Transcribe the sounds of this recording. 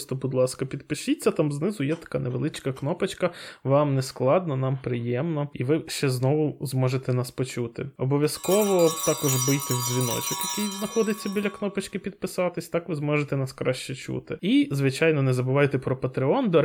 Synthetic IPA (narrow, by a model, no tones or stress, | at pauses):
st̪ɔbʊd̪lˠɑskɐpʲid̪pɪʃit͡sʲːɐt̪ɑmznɪzʊjɛt̪ɐ̥kɑneʋelˠɪt͡ʃkɐknɔpɐt͡ʃkɐʋɑmnɛsklˠɑd̪̚nɔnɑmpɾɪjɛmnɔiʋɪʃt͡ʃɛznɔʋʊzmɔʒet̪ɛnɑspɔt͡ʃut̪ɪ̰ɔbɔʋʲjɐskɔʋɔt̪ɑkɔʒbɪjt̪ɪwzʲʋʲinɔ̰t͡ʃɪkjɐkʲijznɐxɔd̪ɪt͡sʲːɐbʲilʲɐknɔpɐt͡ʃkɪpʲid̪̚pɪsɑt̪ɪsʲt̪ɑkʋɪzmɔʒet̪ɛnɑskɾɑʃt͡ʃɛt͡ʃṵt̪ɪizʋɪt͡ʃɑjnɔnɛzɐbʊʋɑjɪt̪ɛpɾɔpɐt̪ɾɪɔnd̪ɔ